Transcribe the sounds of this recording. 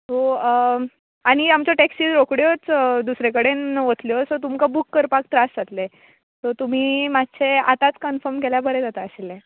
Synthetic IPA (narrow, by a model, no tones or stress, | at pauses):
t̪o | aɽ̃iamt͡ɕjɔʈeksid͡zɾokɽjot͡sd̪usɾekəɽenʋət̪ljɔsɔt̪umkabukːəɾpak̚t̪ɾasd͡zat̪le | t̪ɔt̪um̤iːmad̪t͡sʰea̰t̪at͡skənfəɾmkeljabəɾed͡zat̪aəɕelːe